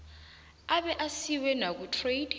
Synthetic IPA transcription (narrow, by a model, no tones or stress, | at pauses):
aɓɛʔasiwɛnak̬utʰred̥